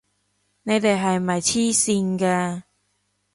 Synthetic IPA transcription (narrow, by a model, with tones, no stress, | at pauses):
ne˨˧jt̪e˨jɦɐ˨jmɐ˨jt͡ɕʰiː˥siː˧nkɛ˧